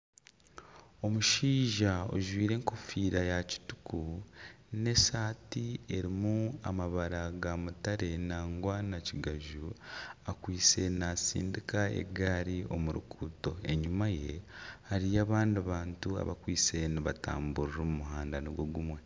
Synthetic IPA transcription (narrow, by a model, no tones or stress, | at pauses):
o̞muʃiːʒao̰ʒwiːɾe̞ːŋko̞fiːɾajaci̥tu̥ku | ne̞saːtie̞ɾimua̰maβaɾaɡamutaɾe̞naːŋɡwanaciɡaʒuakwiːt͡se̞nasḭːndikae̞̰ɡaːɾio̞̰muɾṵkʰuːto̞e̞ɲumaje̞haɾijaːβaːndiaβaːntua̰βa̰kwiːt͡se̞niβata̰ːmbuɾiɾomumuhaːndaniɡoɡumwe̞